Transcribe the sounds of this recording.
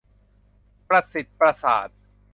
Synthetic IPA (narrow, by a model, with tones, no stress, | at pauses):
pɾa˧si˨˩t̪̚pɾa˧sa̰ː˨˩˦t̪̚